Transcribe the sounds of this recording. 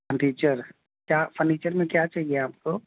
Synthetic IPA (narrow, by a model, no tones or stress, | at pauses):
pʰəɾɖiːt͡ʃəɾ | kjaːfʰəɾniːt͡ʃəɾmẽkjat͡ʃaːɦieaːp̚ko